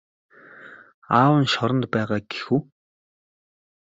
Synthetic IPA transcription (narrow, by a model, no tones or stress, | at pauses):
aːwə̆nʃɔɾɞ̆nt̪pæːʁaːɡe̥xuː